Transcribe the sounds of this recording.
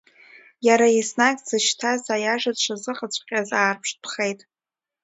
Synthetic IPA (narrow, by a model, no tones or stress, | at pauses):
jaɾaisnakʲʼzɨʃtʰazajaʒadʂʷazɨχət͡ɕʷʰʼqʲʼazaːrpʰʂpʰχejtʼ